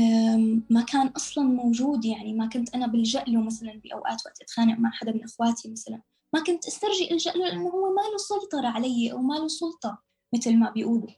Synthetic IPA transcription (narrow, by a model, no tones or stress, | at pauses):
makʰaːnʔɑsˤlɑnmowʒuːd̪jaʕnimakʊnt̪ʔanabɪld͡ʒaʔlumasalanbɪʔa̰wʔa̰ːt̪waʔt̪ʔat̪xaːnaʔmaʕħad̪amɪnʔɪxwaːt̪ʰimaθalan | makʊnt̪ʔast̪aɾˤʒɪʔɪlʒaʔlulʔɪnːʊhʊwːemaːlusˤʊlt̪ˤɑɾˤɑʕalajːʔa̰wmalusˤʊlt̪ˤɑ | mɪt̪lmabɪjʔuːbu